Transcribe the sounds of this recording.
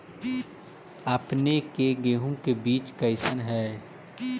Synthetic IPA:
əpnekeɡeːɦõkebiːt͡ʃkɐɪsənɦɛː

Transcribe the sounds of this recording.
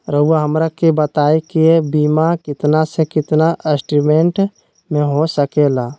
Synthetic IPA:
ɾəuaɦɐmɾakebət̪aːekiebiːmakɪt̪nasekɪt̪naʔesʈɾimeɳʈ | mẽɦosəkeːlaː

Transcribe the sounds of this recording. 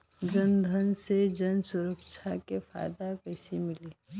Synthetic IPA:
d͡ʒənd̪ʱənsed͡ʒənsʊɾəkt͡ʃʰakefʰa̰ːjd̪akəɪsimɪli

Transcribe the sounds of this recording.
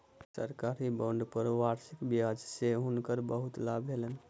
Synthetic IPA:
sə̰ɾkaɾibə̃ɳɖpəɾʋaɾsikbiad͡ʒseɦunkəɾbəɦut̪labʱɦelən

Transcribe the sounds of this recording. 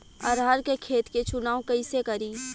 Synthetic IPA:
ɐɾɦaːɾkekʰeːt̪ket͡ʃʊnaːõkɐɪsekɐɾiː

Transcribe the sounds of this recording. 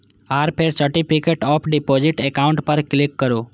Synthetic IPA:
aːɾpʰeɾsəɾʈipʰikeːʈɔːpʰɖipod͡ʒɪʈekaʊ̃ɳʈpəɾklɪkːəɾoː

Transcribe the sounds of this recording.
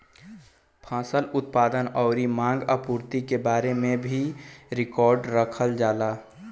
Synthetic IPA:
pʰãːsəlʊt̪̚paːd̪ənɔːʊɾimãːŋɡəpuːɾt̪ikebaːɾemẽbʱiɾɪkɔːɾɖɾəkʰəld͡ʒaːlaː

